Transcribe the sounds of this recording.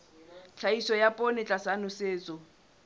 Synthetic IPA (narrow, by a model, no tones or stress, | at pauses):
t͡ɬʰaisɔjapʼonɪt͡ɬʼasanʊseːt͡sʼɔ